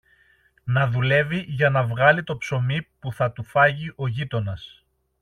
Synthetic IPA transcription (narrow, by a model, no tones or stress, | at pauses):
nɐðule̞viʝɐnɐvɣɐlit̪o̞pso̞mipuθɐt̪ufɐʝiʔo̞ʝit̪o̞nɐs